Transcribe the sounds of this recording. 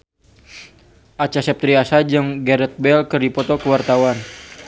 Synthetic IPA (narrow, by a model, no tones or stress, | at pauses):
ʔat͡ʃasɛp̚t̪ɾiasad͡ʒɨŋɡɛɾɛt̪̚bɛlkɨrdipɔt̪ɔkəwart̪awan